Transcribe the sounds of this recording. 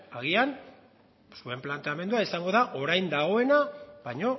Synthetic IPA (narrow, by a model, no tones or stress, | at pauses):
aɣ̞ian | sue̞mplant̪eame̞nd̪uaisaŋɡo̞ðaʔo̞ɾajnd̪aɣ̞o̞e̞naβaɲo̞